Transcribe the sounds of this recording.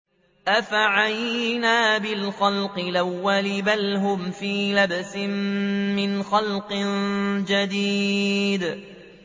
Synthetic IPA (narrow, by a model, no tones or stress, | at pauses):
ʔafaʕajnaːbɪlxalqɨlawːalɪbalɦʊmfiːlabsɪmːɪnxalqɨnd͡ʒad̪iːd̪